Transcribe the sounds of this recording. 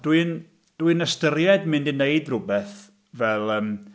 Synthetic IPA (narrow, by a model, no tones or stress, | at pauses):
d̥wɨn | d̥wɨnəstəɾjɛdmɨndɪneɨdrʊbɛθ | vɛlˠəːm